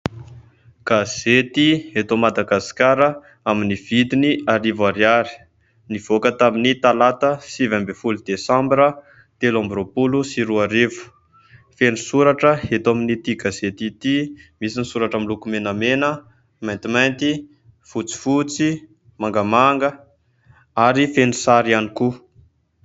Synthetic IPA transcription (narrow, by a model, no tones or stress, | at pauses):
ɡ̥az̥et̪ihet̪omad̪aɡaskaɾə | aminiv̥id̪iniaɾivaɾjaɾi̥ | niv̥okət̪aminit̪alat̪əsivambefulud̪̥esãmbiɾə | t̪elãmbɾopulusiɾuaɾevu̥ | fenusuɾaʈ͡ʂəhet̪aminit̪ikazet̪it̪imisinisuɾaʈ͡ʂəmilukumenəmenə | majnt̪imajnt̪i | fut͡si̥fut͡si | maŋɡəmaŋɡə | aɾifenusaɾianiku